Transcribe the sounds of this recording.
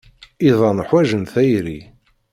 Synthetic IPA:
iðˤɑnħwæʒənθæjɾḭ

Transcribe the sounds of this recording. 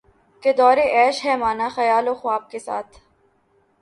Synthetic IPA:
ked̪ɔːɾeʔɛːʃɦɛmaːnaxɐjaːloxʊaːb̚kesa̰ːt̪ʰ

